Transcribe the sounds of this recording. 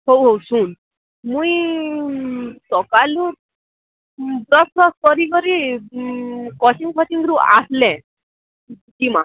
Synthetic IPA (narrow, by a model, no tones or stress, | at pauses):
ɦowɦowsun | mũj | sɔkaluɾ | bɾɔsɔskɔɾikɔɾi | kɔt͡ʃiŋkʰɔt͡ʃiŋɡɾua̰slɛ̃ | d͡ʒima̰